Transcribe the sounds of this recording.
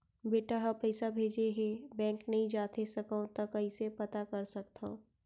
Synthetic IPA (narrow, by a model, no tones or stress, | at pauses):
beːʈaɦɐpəɪsabʱeːd͡ʒeɦebɛ̃ːŋknɐɦĩd͡ʒaːt̪esɐkõt̪ɐkɐɦĩsepɐt̪akɐɾsɐkt̪õ